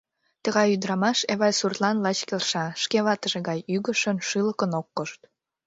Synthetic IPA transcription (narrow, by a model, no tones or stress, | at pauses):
t̪əɣɑjyd̪ɾɑmɑʃeβɑjsurt̪lɑnlɑt͡ɕkelʃɑʃkeβɑt̪əʒeɣɑjyɣəʃənʃɨləkənokːoʃt̪